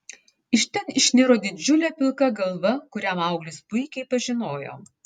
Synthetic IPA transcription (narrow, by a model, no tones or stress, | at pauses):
ɪʃʲt̪ʲɛnɪʃʲnʲɪɾoːd̪ʲɪd͡ʒʲʊlʲɛːpʲɪlˠkɐɡɐlˠʋɐkʊɾʲæmɐʊɡlʲɪspʊɪkʲɛɪpɐʒʲɪnoːjo̰ː